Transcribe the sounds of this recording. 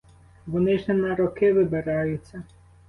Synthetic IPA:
ʋɔnɪʒnɛnɐɾɔkɪʋɪbɪɾɑjʊt͡sʲːɐ

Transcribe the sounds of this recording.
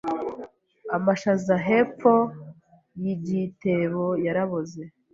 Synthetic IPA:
amaʃazaɦep͡fo | jiɟite̞βojaɾaβoze

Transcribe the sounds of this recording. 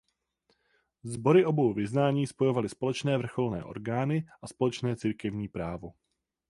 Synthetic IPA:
zbo̞ɾɪʔo̞bo̞wvɪznaːɲiːspo̞jo̞valɪspo̞lɛt͡ʃnɛːvr̩xo̞lnɛ̰ːʔo̞̰ɾɡaːnɪʔaspo̞lɛt͡ʃnɛːt͡siːɾkɛvɲiːpɾaːvo̞

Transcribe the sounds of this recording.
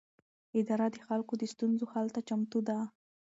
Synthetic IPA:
ɪd̪ɑɾad̪əxalkod̪əst̪unzohalt̪at͡ʃamt̪ud̪a

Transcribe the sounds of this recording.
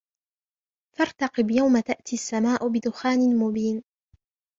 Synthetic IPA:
fɑɾˤt̪ɑqɨbjawmat̪aʔt̪iasːamaːʔʊbɪd̪ʊxaːnɪmʊbiːn

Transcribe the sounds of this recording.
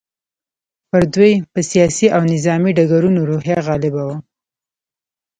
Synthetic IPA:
pəɾd̪wujpəsijɑsiʔawnɪzɑmiɖaɡaɾunoɾohjaɣɑlɪbawa

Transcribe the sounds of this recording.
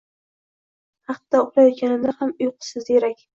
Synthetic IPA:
hɑqt̪ːaʊqlˠajɒt̪̚kʲanɪd̪ahamʊjqʰɨ̥sɪzeɾakʲ

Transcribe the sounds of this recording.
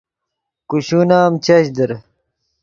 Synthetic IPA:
kuɕunaːmt͡ɕɐɕd̪əɾ

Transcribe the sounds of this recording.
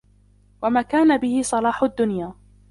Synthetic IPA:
wamaːkaːnabɪhɪsˤɑlɑːħʊd̪ːʊnjaː

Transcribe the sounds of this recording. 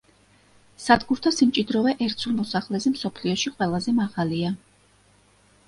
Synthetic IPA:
sad̪ɡuɾt̪ʰasimt͡ʃʼid̪ɾɔvɛʔɛɾt̪sʰulˠmɔsaχlɛzɛmsɔpʰliɔʃiqʼwɛlˠazɛmaʁalia

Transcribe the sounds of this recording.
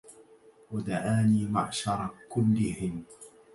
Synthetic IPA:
wad̪aʕaːniːma̰ʕʃɑɾˤɑkʊlːɪhɪn

